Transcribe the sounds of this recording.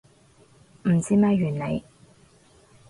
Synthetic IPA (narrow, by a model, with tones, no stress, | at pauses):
m̩˨˩t͡siː˥mɛː˥ɥyː˨˩nle˨˧j